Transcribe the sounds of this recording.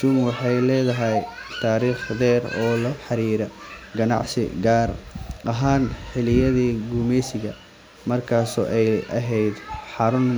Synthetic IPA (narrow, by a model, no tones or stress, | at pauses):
ʃʊmwɑħɑjlɛːðɐɦɛjt̪ʰaːɾiːχðɛːrɔːlɐħɑɾiːɾɐɡɐnɑ̰ʕsɪ̰ɡaːrʔɐɦaːnħɪlɪjɐðiːɡuːmɛjsɪɣɐ | mɐrkʰaːsɔ̰ːʔɛjʔɐ̰ɦɛjd̪ħɑɾʊn